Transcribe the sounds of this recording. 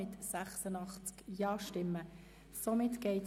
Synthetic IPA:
ɪt̪sæχsənɑχt͡skjɑːʃtɪmːə | somɪt̪ɡ̥ɛɪt

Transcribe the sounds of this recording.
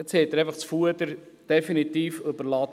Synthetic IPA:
ɛt͡shɛt̪ːəɾeɪfɑχt͡sfuəd̪əɾ | d̪̥ɛfinit̪iːfɵbəɾlɑt̪

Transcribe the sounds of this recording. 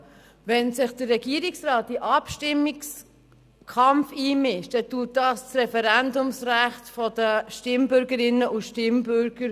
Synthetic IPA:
vɛnsɪχd̥ərːɛɡ̥iːɾiksrɑːt̚diʔɑpʃtɪmːiks | kʰɑmfiːmɪʃtɛtuːt̚dɑst͡srɛfɛɾændʊmsræχtfɔdəʃtɪmbʏɾɡəɾɪnːəʔʊʃtɪmbøɾɡ̥əɾ

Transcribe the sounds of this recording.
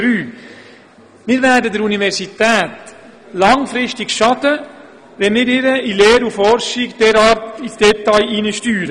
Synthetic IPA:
ɾyː | mɪːɾvɛɾdədəɾunivɛɾsitɛːt | lɑŋfɾɪʃtɪkʃɑdə | ʋɛnmɪɾɪɾəileːɾufɔɾʃɪɡd̥ɛɾaːɾtisd̥ɛtajʔinəʃtyːɾə

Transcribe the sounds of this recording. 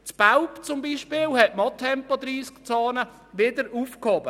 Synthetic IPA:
t͡spaʊpt͡sʊmbiːʃpɪːlhɛtmɑt̪ʰɛmpod̪ɾiːskt͡sɑːnə | ʋɪd̪əɾuːfkhɔbə

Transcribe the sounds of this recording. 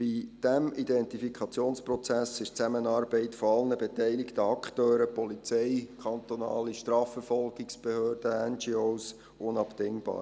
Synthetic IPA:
b̥id̥æmidɛnt̪ifikʰɑt͡sjoːnsprɔt͡sæsɪʃt͡sæmənɑːɾbɛɪtfoɑlnəbetɛɪlɪkt̪əɑkχt̪øːɾəpɔlit͡sɛɪkʰɑnt̪onɑ̰ːliʃtrɑːfəɾfɔlɡɪksb̥ehøːɾd̥əɛnd͡ʒioːs | ʊnɑpt̪ɪŋb̥ɑ̰ːɾ

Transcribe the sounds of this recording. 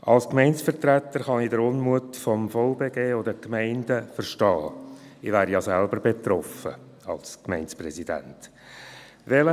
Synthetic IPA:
ʔɑlskmɛɪnsfəɾtɾæt̪ːəɾχɑnidəɾʊnmuətfɔmfɔʊbeːɡeːodəkmæɪndəfərʃtɑːɪvæːɾjɑsælbəɾbet̪rɔfə̰ | ɑlskmɛɪnsprɛsid̥æ̰nt | ʋɛlə

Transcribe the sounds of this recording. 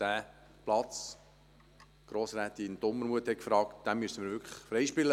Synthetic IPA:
æː | plɑt͡s | ɡ̥ɾoːsɾæːt̪ind̪ʊmːəɾmuət̪hɛkfɾɑːktd̥̪æmyəsəməɾvʋʏɾkʰə̥χfɾɛjʃpɪlə

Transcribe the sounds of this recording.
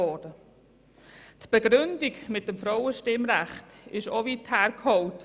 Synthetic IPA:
ɔːd̥ə | tb̥eɡɾʏndiɡmɪt̚dəmfɾɔwəʃtɪmɾæχtɪʃoviːthæːɾkʰhɔlt

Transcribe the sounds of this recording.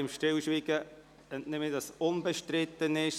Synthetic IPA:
ɪmʃtɪlʃʋiɡə | ənnɪmɪdɑsʊnbəʃtɾɪt̪ːənɪʃ

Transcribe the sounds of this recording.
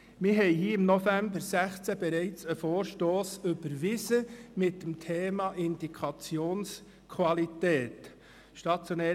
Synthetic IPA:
mɪɾɦɛɪhiːɪmnofæmbəɾsæχt͡sæbɛɾɛɪt͡səfoːɾʃtoːsʏb̥əɾʋɪzəmɪt̚dəmtʰeːmɑʔɪndikʰʁɑt͡sjoːns | kʰʋɑlitɛːt̪ | ʃtɑt͡sjonɛː

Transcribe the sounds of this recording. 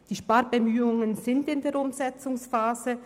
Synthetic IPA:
d̥iːʃpaɾbəmyːʊŋənzɪndɪndeːɐɾʊmzɛt͡sʊŋsfaːzə

